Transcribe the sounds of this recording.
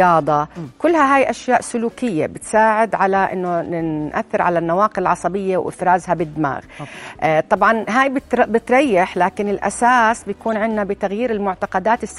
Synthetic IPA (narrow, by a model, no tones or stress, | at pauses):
ɑːd̪ˤɑkʊlːhaɦaːjʔaʃjaːʔsʊluːkɪjːa̰bɪt̪saːʕɪd̪ʕalaʔɪ̰nːonɪnʔaθːɪɾʕalanːawaːqɪɪlʕɑsˤɑbɪjːawʔɪ̰fɾaːzabɪd̪ːɪma̰ːɣ | t̪ˤɑbʕɑnɦaːjbɪt̪bɪt̪ɾˤɑjːɪħlaːkɪnɪlʔa̰saːsbɪjakuːnʕɪnːabɪt̪aɣjiːɾɪlmʊʕt̪aqɑd̪aːt̪ɪsː